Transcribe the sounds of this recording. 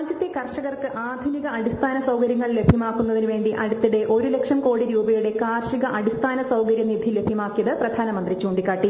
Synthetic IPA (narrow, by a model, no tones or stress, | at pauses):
d͡ʑɐt̪ːikɐrʂɐɣɐrkɨʔaːd̪ʱuniɣɐʔɐɽist̪ʰaːnɐsɐwkɐɾjɐŋːɐɭle̞bʱjɐmaːkːunːɐðinuʋe̞ːɳɖiʔɐɽut̪ːiɽe̞ʔo̞ɾule̞kʂɐmko̞ːɽiɾuːbɐjuɽe̞kaːrʂiɣɐʔɐɽist̪ʰaːnɐsɐwkɐɾjɐnibʱilːe̞bʱjɐmaːkːijɐðɨprɐd̪ʱaːnɐmɐnd̪rit͡ɕuːnd̪ikʲːaːʈːi